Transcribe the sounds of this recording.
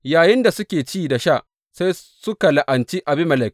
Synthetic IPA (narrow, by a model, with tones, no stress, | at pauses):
jaː˨jɪ˦nda˨sʊ˦kʲeː˨t͡ʃiː˦da˨ʃa˦˨ | sa˦j | sʊ˦ka˨la˨ʔa˨nt͡ʃi˦ʔa˨bɪ˦mɐ˨lɐ˨k